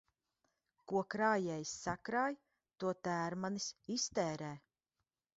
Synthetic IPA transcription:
kuɔkɾaːjɛjsːakɾaːj | t̪uɔt̪æːɾmanisist̪ɛːɾɛː

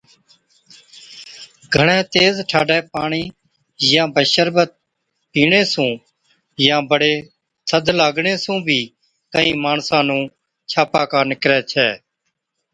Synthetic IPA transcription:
ɡʱəɳ̃ɛ̃ːt̪eːzʈʰaːɖɛːpaːɳiː | jãːbəʃəɾbət̪̚ | piːɳeːsũː | jãːbəɽeː | səd̪ʱlaːɡɳeːsũːbʱiː | kəĩːmaːɳsãːnũː | t͡ʃʰaːpaːkaːnɪkɾɛːt͡ʃʰɛː

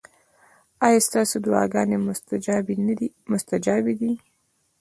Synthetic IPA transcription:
ɑjɑst̪ɑsod̪ʊɑ̰ɡɑnebni | mʊst̪ad͡ʒɑbid̪i

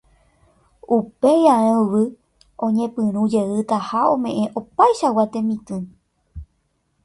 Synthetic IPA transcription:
upe̞jaẽʋɨ | õ̞ɲẽpɨ̃ɾ̃ũd͡ʒe̞ɨt̪ahaõ̞mẽ̞ʔẽ̞ʔo̞pajʃawat̪ẽ̞mĩt̪ɨ̃

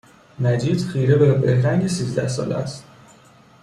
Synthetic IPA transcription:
næd͡ʒiːd̪̥χiːɾebebehɾæŋɡesiːzd̪æ̰hsɒ̰ːlḛæ̰st̪

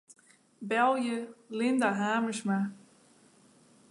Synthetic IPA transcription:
bɛlˠjəlɪndaɦaːməsma

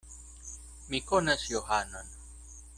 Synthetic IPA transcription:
mikonasjohanon

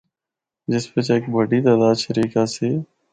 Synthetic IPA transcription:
d͡ʒɪspet͡ʃeːkbəɖiːt̪aːd̪aːʃəɾiːkaːseː

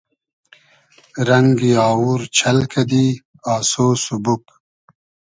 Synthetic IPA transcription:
ɾɐŋɡiaːwuɾt͡ʃʰɐlkɐd̪i | aːsoːsubuk

